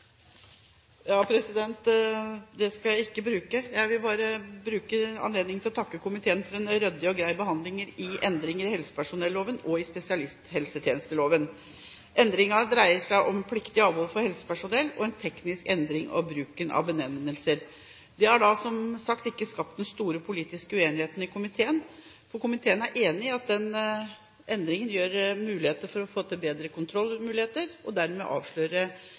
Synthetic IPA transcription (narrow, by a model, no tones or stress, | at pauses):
jɑːpʰɾɛsɪd̪ɛnt̪ | d̪ɛskɑjæɪɪkːəbɾʉːkəjæɪʋɪlbɑːɾəbɾʉːkəɑ̰nleːd̪nɪŋt̪ʰɪlɔt̪ʰɑkːəkʊmɪt̪ʰeːənfɔɾɛnɾœd̪ːɪɔɡɾæɪbəɦɑnd̪lɪŋəɾɪɛnd̪ɾɪŋəɾɪhɛlsə̥pæʂʊnɛlːoːʋənɔɪspɛsɪɑlɪst̪hɛlsət̪ʰjeːnəst̪əloːʋən | ʔɛnd̪ɾɪŋɑd̪ɾæɪəʂæɪʔɔmpʰlɪkt̪ɪɑːʋoɾfɔɾhɛlsə̥pæʂʊnɛlːɔ̰ɛnt̪ʰɛknɪskɛnd̪ɾɪŋɑ̰bɾʉːkənɑ̰ʋbənɛmːəlsəɾ | d̪ɛhæɖɑsɔmsɑkt̪ɪkːəskɑp̚t̪d̪ɛnst̪uːɾəpʰʊliːt̪ɪskəʉeːnɪheːt̪ən̩ɪkʰʊmɪt̪ʰeːən | fɔɾkʊmɪt̪ʰeːənæɾʔeːnɪɑt̪̚d̪ɛn | ʔɛnd̪ɾɪŋənjøːɾmʉːlɪheːt̪əɾfɔɾɔfoːt̪ʰɪlbeːd̪ɾəkʊnt̪ʰɾɔlːmʉːlɪheːt̪əɾɔd̪æɾmɛ̰ʔɑ̰ːʋʂɭøːɾə